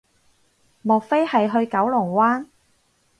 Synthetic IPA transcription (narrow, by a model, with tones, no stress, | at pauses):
mɔː˨k̚fe˥jhɐ˨jɦɵ˧ɥkɐ˨˥wlʊ˨˩ŋwaː˥n